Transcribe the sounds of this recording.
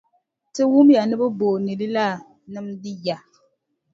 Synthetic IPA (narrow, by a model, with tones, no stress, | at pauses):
tɨ˦wu˦mja˨nɨ˦bɨ˦boː˨nɨ˨li˦la˦ | nɨ˦mdɨ˦ja˨